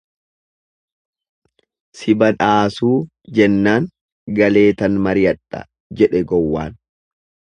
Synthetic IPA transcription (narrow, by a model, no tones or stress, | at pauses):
sɪbɐᶑaːsuː | d͡ʒɛnːaːŋ | ɡɐle̞ːt̪ɐnmɐɾɪjɐᶑɐ̰ | d͡ʒɛᶑɛɡɔwːaːn